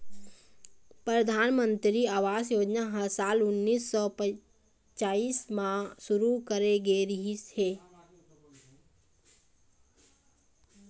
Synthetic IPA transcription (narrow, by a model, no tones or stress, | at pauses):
pɾəd̪ʱaːnmə̃nt̪ɾiaːʋaːsjoːd͡ʒnaɦəsaːlʊnːiːsːɔpə | t͡ʃaːiːsmãsʊɾukəɾeɡeɾɪɦisheː